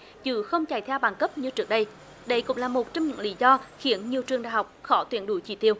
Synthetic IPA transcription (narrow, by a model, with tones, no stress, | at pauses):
t͡ɕɨ˧˩˦xə˧wŋ͡mt͡ɕa˨˩jt̪ʰɛ˧wɓaː˨˩nkə˦˥p̚ɲɨ˧t͡ɕɨ˦˥ək̚ɗə˧j | ɗə˧˩jkʊ̰˧˥ŋ͡mlaː˨˩mo˨˩t̚t͡ɕɔ˧wŋ͡mɲɨ̰˧˥ŋlḭ˧˥zɔ˧xi˧˦ənɲi˨˩əwt͡ɕɨ˨˩əŋɗa̰ː˧˨˩ɦa˨˩wk͡p̚xɔ˧˦t̪wḭ˧˩ənɗu˧˨˦t͡ɕi˧˩t̪i˧əw